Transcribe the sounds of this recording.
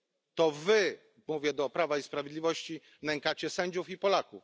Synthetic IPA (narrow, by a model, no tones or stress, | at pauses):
t̪ɔvɘ | muvʲjɛd̪ɔpɾavaispɾavʲjed̪lʲivɔɕt͡ɕi | nɛŋkat͡ɕɛsɛɲd͡ʑufipɔlakuf